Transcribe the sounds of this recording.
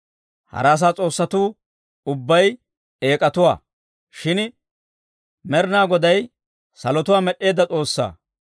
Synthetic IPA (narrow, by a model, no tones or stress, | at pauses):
hɐ̰ɾaːs̬aːt͡sʼo̞ːsːɐt̪uː | ʊbːɐj | e̞ːkʼɐt̪ʊwa̰ː | ʃɪn | mɛɾnaːɡɔd̪ɐj | sɐlɔt̪ʊwaːmɛɗːe̞ːd̪ɐt͡sʼo̞ːsːa̰ː